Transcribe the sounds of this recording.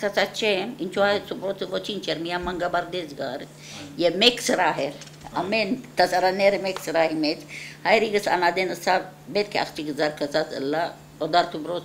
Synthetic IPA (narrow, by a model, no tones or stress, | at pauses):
kɐt͡sat͡ʃemint͡ʃʰoasubɾot͡sɨʋot͡ʃʰint͡ʃeɾmijamɐŋɡabaɾd̪ed͡zɡaɾ | jemeksɾaːɦeɾ | ɐment̪ɐsɐɾaneɾemeksɾaɦimet͡shajɾiɡəsa̰nad̪enəsat̚bet̪̚kʰeɐ̰kt͡ʃikəd͡zaɾkʰɐt͡sat͡sə̰lːa | od̪aɾt̪ubɾoːt͡s